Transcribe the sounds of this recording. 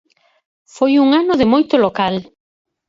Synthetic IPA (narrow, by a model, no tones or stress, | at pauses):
fojuŋanʊðɪmojt̪ʊlokal